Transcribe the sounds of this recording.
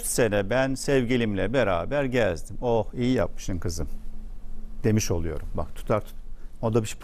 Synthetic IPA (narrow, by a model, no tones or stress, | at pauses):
se̞nɛbænsɛvɟilʲimlʲɛbeɾaːbæɾɟælzʲzd̪imohijija̰p̚mɯ̥ʃɯnkʰɯzɯm | d̪̥e̞miʃo̞lˠujo̞ɾumba̰kt̪ʰu̥t̪ʰaɾt̪ʰu̥t̪od̪abiʃp